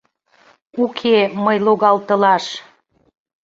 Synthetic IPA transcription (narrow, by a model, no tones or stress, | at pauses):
ukʰeməjloɣɑlt̪ə̆lɑʃ